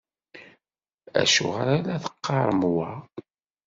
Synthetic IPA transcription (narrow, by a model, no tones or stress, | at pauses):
æ̰ʃʊ̰ʁəɾalæθə̥qːɑɾˤəmwæ